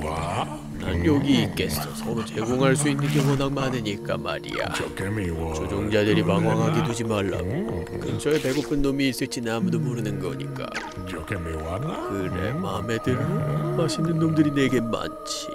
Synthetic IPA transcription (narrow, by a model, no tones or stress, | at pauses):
na̰njoɡiːk͈e̞s͈ʌʌmut͡ɕe̞ɡoŋɦaɭs̬͈uinːɯnɡjʌŋʌnaŋmanɯɲik͈a̰ma̰ɾḭa̰ | t͡ɕod͡ʑoŋd͡ʑadɯɾipaŋwaŋɦaɡenud͡ʑimaɭːa̰ɡo | kɯt͡ɕ͈ʌepe̞ɡopʰɯnːomiːs͈ɯɭt͡ɕ͈inamudomuɾɯnɯnɡʌɲḭk͈a̰ | kɯɾe̞̰mamedɯɭhomaɕʰinɯnːomdɯɾine̞ɡenma̰nt͡ɕʰi̥